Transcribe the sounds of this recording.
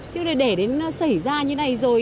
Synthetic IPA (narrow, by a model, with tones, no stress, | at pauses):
t͡ɕɨ˧˦lə˨˩ɗe˧˩ɗe˨˦n˧˦sa˧˩jzaː˧ɲɨ˧˦na˨˩jzo˨˩j